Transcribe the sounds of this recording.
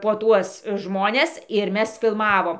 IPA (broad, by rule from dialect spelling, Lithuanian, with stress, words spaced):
poː ˈtuɔs ˈʒmoːnʲɛs ɪr ˈmʲɛs fʲɪlˠˈmɑːʋoːm